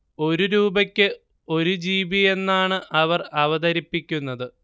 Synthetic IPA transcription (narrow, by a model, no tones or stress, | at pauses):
o̞ɾuɾuːbɐkʲːɨ | o̞ɾud͡ʑiːbije̞nːaːɳɨʔɐʋɐrɐʋɐðɐɾipːikʲːunːɐðɨ